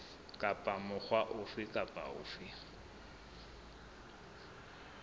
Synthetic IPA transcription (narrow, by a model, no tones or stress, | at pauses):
kʼapʼamʊχwaʔʊfɪkʼapʼa̰ʊ̰ːfɪ